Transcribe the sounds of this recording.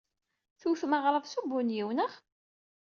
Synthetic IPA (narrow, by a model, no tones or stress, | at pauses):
θuθməʁɾˤəvsubʊnjiwnəχ